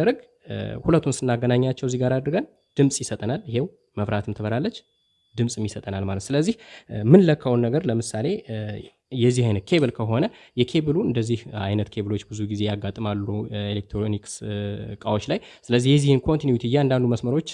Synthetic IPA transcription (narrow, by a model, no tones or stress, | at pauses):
ɾəɡ | hulət̪ʰːunsɨnːaɡənaɲːat͡ʃːɛwziɡaɾad̪ɾɨɡən | d̪̥ɨmsʼjɪsət̪ʼənalɪhe̞w | məβɾat̪ʰɨmt̪ʰəβəɾalːət͡ʃː | d̪ɨmsʼɨmjɪsət̪ʼənalmalət̪sɨləzːihmɨnləkʰːəwnːəɡəɾləmɨsale̞ | jɛzːihajnət̪̚kʰe̞βɨlkʰəɦo̞nəjɛkʰe̞βɨluɨnd̪əzːiha̰jnət̪kʰe̞βɨlo̞t͡ʃːbɨzuɡize̞jaɡːat̪ʼɨmalːuelek̚t̪ɾonikskʼawo̞t͡ʃːlajsɨləzːihjɛzːihɨnkʰo̞nt̪injut̪ʰijɛand̪and̪uməsməɾo̞t͡ʃː